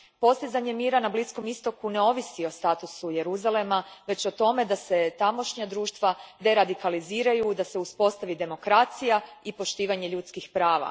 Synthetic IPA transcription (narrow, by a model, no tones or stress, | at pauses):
po̞st̪izaɲe̞miːɾanablisko̞mist̪o̞kune̞o̞ʋisio̞st̪aːt̪usuje̞ɾuzale̞maʋe̞t͡ɕo̞t̪o̞me̞d̪ase̞t̪amo̞ʃɲad̪ɾuːʃt̪ʋad̪e̞ɾad̪ikaliziːɾajud̪aseuspo̞st̪aʋid̪e̞mo̞kɾat̪sijaipo̞ʃt̪iːʋaɲe̞ʎut̪skixpɾaːʋa̰